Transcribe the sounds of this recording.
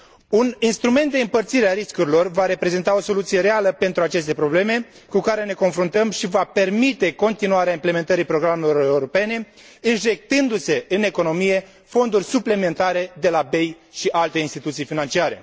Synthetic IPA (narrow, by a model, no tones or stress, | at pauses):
uninst̪ɾume̞nt̪̚d̪e̞ɨmpərt̪siɾeaɾiskuɾilo̞rvaɾe̞pɾe̞ze̞nt̪ao̞so̞lut̪sije̞ɾe̞aləpe̞nt̪ɾuat͡ʃe̞st̪e̞pɾo̞ble̞me̞ | kukaɾe̞ne̞ko̞nfɾunt̪əmʃivape̞rmit̪e̞ko̞nt̪inuaɾeaimple̞me̞nt̪əɾipɾo̞ɡɾamelooe̞uɾo̞pe̞ne̞ | ɨnʒe̞k̚t̪ɨnd̪use̞ɨne̞ko̞no̞mije̞ | fo̞nd̪urʲsuple̞me̞nt̪aɾe̞d̪e̞labe̞j | ʃiʔalt̪e̞inst̪it̪ut̪sijfinant͡ʃiaɾe̞̰